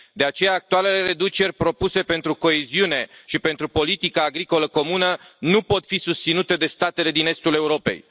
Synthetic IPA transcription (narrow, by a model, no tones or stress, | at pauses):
d̪e̞at͡ʃe̞jaːk̚t̪uale̞le̞re̞d̪ut͡ʃe̞rʲpɾo̞puse̞pe̞nt̪ɾuko̞eziune̞ʃipe̞nt̪ɾupo̞lit̪ikaːɡɾiko̞ləko̞munənupo̞t̪fisust̪sinut̪e̞d̪e̞st̪at̪ele̞d̪ine̞st̪ule̞uɾo̞pe̞̰j